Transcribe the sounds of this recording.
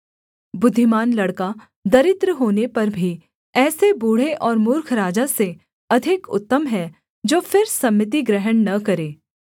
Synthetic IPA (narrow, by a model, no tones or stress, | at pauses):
bʊd̪ʱːɪmaːnlɐɽka | d̪ɐɾɪt̪ɾəɦoːnepɐɾbʱi | ɛːsebuːɽ̤eʔɔːɾmʊɾkʰɾaːd͡ʒase | ɐd̪ʱɪkʊ̰t̪ːəmɦɛ | d͡ʒoːfʰɪɾsɐmːət̪̬iɡɾɛɦənnɐkɐɾeː